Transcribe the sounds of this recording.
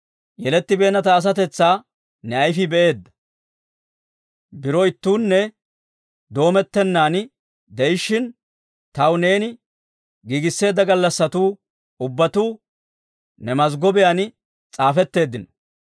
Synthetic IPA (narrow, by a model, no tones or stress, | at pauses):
jɛlɛt̪ːɪbe̞ːnɐt̪ɐːs̬ɐt̪ɛt͡sːaː | nɛɐjfɪbɛʔe̞ːd̪ːɐ̥ | bɪɾɔɪt̪ːuːnːɛ | d̪o̞ːmɛt̪ːɛnːaːn | d̪ɛjɪʃːɪn | t̪ɐwne̞ːnɪ | ɡiːɡɪsːe̞ːd̪ːɐɡɐlːɐsːɐt̪uː | ʊbːɐt̪uː | nɛmɐzɡɔbɪjaːn | t͡sʼaːfɛt̪ːe̞ːd̪ːɪnɔ̥